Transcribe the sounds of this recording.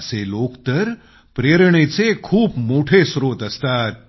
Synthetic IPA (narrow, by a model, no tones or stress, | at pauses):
selokt̪əɾ | pɾeɾɳisekʰuːbmoːʈʰesɾoːt̪əst̪aːt̪̚